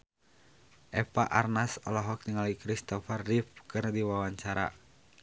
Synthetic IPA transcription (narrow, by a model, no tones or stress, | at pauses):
ʔɛpaʔarnasɔlɔɦɔk̚t̪iŋalikɾist̪ɔfarːifkɨrdiwawaɲt͡ʃaɾa̰